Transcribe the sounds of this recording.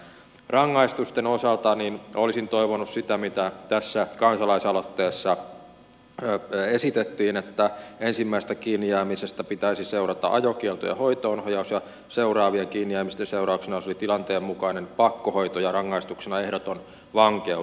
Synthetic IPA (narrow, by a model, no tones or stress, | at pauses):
rɑŋːɑist̪ust̪enosɑlt̪ɑninolisint̪oiʋonussit̪æmit̪æt̪æsːækɑnsɑlɑisɑlot̪ːeːsːɑ | esit̪et̪ːiːnet̪ːæensimːæist̪ækiːnːiæːmisest̪æpit̪æisiseurɑt̪ɑ̰ʔɑjokielt̪o̰jɑ̰hoit̪oːnhojɑusjɑ | seurɑːʋieŋkiːnːiæːmist̪enseurɑuksenɑjosolit̪ilɑnt̪eːmmukɑinenpɑkːohoit̪ojɑrɑŋːɑist̪uksenɑehdot̪on | ʋɑŋkeu